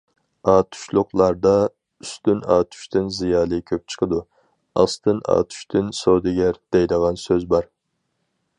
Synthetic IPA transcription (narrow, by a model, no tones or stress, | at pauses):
ɑːt̪ʰu̥ʃlˠʊqlˠɑɾd̪ɑ | yst̪ynɑ̰ːt̪ʰy̥ʃt̪ʰɪnzijɑːlˠɨkʲʰøp̚t͡ʃʰə̥qʰəd̪u | ɑ̰st̪ɨnɑ̰ːt̪ʰy̥ʃt̪ʰɪnsod̪ɪɡʲɛɾd̪̥ɛjd̪əʁɑnsøzbɑɾ